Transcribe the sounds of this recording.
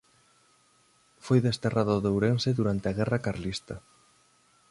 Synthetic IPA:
fojðest̪eraðʊðewɾenseðuɾant̪eaɣɛrakaɾlist̪ɐ

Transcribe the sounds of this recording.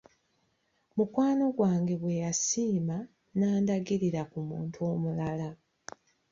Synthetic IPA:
mukwaːno̞ɡwaːŋɡe̞βwe̞jasiːma | naːndaɡiɾiɾakumuːntʰuo̞ːmulala

